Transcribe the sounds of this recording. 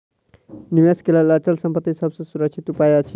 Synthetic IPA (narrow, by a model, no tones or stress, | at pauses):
niʋeskelalat͡ʃəlsəmpət̪ːisəbsə̃suɾək̚t͡ʃʰit̪upajat͡ʃʰi